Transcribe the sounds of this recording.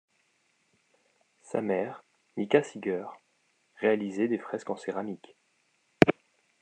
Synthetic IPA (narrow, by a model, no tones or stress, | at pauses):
sa̰mɛʁ | nikasiɡʲœʁː | ealizɛd̪efχɛskɑ̃seʁamik